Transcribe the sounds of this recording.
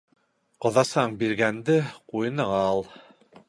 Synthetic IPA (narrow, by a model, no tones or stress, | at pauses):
qŏðɑsɑɴbiɾɡænd̪ɘqujɤ̆nɤɴɑlˠ